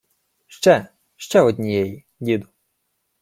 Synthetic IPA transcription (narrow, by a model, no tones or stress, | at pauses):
ʃt͡ʃɛ | ʃt͡ʃɛɔd̪ʲnʲijɛji | dʲid̪ʊ